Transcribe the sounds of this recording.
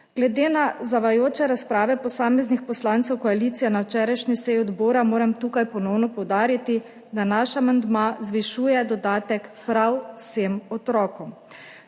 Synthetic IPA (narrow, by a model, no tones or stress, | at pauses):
ɡ̥lɛd̪eːnazaʋajoːt͡ʃɛɾaspɾaːʋɛpɔsaːmɛznixpɔslant̪sɛwkɔaliːt̪sijɛnawt͡ʃɛːɾajʃnisɛjɔd̪boːɾamoːɾɛmt̪uːkajpɔnɔwnɔpɔwd̪aːɾit̪i | d̪anaʃamand̪mazʋiʃuːjɛd̪ɔd̪aːt̪ɛkpɾawsemɔt̪ɾɔːkɔm